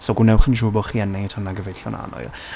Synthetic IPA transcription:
soɡunɛwχənd͡ʒʊbɔχiɛnɛŋitʰɔnːaɡəvejɬɔna̰nɔ̰ɨ̰

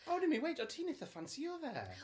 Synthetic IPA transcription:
oʊdɪmiwejtɔtʰiːnɪθəfansiɔðɛ̰

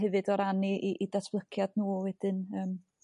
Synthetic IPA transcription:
ɛvɨdɔɾaniʔiʔidasʰblˠəkʰjadnuːwɛd̥ɪnəːm

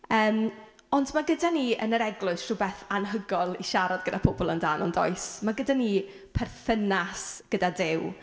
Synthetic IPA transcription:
əːm | ɔndmaɡədaniə̰nəɾɛɡlˠʊɨsrʊbɛθanɦəɡɔlˠiʃaɾɔdɡədapʰɔbɔlˠə̰ndaːnɔndɔ̰ɨsmaɡədani | pʰɛrθənasɡ̥ədadɪw

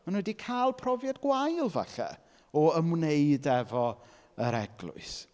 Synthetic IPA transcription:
manwɛdikʰaːlˠpʰrɔvjadɡwajlˠva̰ɬɛ̰ | ɔəmwneɨdɛvɔ | əɾɛɡlˠʊ̰ɨs

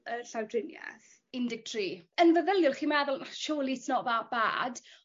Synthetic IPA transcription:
əɬawdrɪnja̰θ | ɪndɪɡ̚tʰriːənvəðəlˠjʊlˠχiːmɛðʊlˠnaʃuːlˠitnɔʔvab̥a̰ːd

